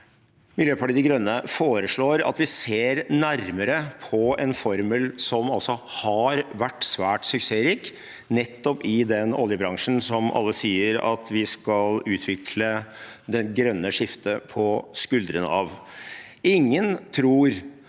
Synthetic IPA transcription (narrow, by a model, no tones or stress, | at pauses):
mɪljøːpʰɑʈiːd̪ɪɡɾœnːəfoːɾəʂɭoːɾɑ̰t̪ʋɪseːɾnæɾməɾəpʰɔɛnfɔɾməlsɔmɑlsɔhɑɾʋæʈːsʋæːʈsʉkseːɾiːk | nɛt̪ːɔpɪd̪ɛnɔ̰ljəbɾɑŋʂn̩sɔmʔɑ̰lːəsiːəɾɑ̰t̪ʋɪskɑlʉːt̪ʰʋɪkʰlə | d̪ɛnɡɾœnːəʂɪft̪əpʰɔskʉld̪ɾənɑ̰ʋ | ɪŋːənt̪ʰɾuːɾ